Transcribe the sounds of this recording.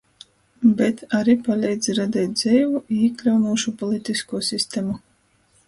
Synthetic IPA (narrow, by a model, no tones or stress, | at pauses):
bɛt̪aɾipalʲɛjd̪ziɾad̪ʲɛːt̪̚d̪zɛjvuiːklʲawnuːʃupɔlˠit̪iskuɔsʲist̪emu